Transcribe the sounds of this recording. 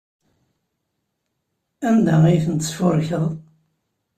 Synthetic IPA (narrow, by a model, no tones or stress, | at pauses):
ænd̪aʁijθənt̪sfʊɾçəðˤ